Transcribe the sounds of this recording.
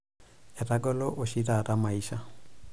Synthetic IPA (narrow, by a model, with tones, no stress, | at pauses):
ɛ˨ra˦ɡɔ˦lɔ˦ʔʊ˨ʃi˦ra˨ra˦ma˨iʃa˦